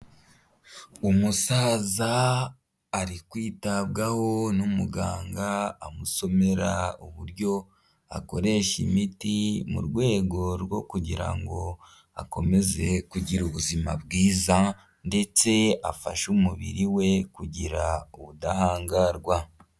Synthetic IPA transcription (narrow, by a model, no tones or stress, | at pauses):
umusaːzaː | ɾikwiːtabɡaho̞numuɡaːŋɡaːmuso̞me̞ɾa̰uβuɾjo̞ | a̰ko̞ɾe̞ːʃimitimṵɾɡwe̞ːɡo̞ɾwo̞kuɟiɾa̰ŋɡo̞ | a̰ko̞me̞ze̞kuɟiɾuβuzima̰bɡiːza | nde̞t͡se̞afa̰ʃumuβḭɾiwe̞kuɟiɾauβudahaːŋɡaɾɡwa